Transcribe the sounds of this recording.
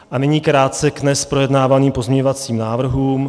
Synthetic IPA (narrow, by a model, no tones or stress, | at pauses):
ʔanɛɲiːkɾaːt̪̚t͡sɛɡnɛspɾo̞jɛdnaːvaniːmpo̞zmɲɛɲovat͡siːmnaːvr̩ɦuːm